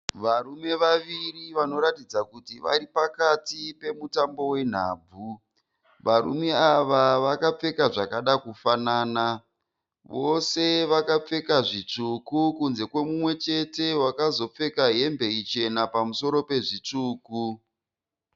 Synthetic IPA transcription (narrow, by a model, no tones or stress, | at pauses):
ʋaɾume̞ʋaʋiriʋano̞ɾatid͡zakutiʋa̰ɾipakatipe̞mutambo̞we̞n̤a̰ːb͡vʱu | ʋaɾṵme̞aʋaʋakap͡fe̞kaʐakaɗakufanaːna | ʋo̞se̞ʋakap͡fe̞kaʐit͡ʂukukunze̞kwe̞mumwe̞t͡ʃe̞te̞wakazo̞p͡fe̞kaɦe̞mbe̞it͡ʃe̞napamuso̞ɾo̞pe̞ʐit͡ʂuːku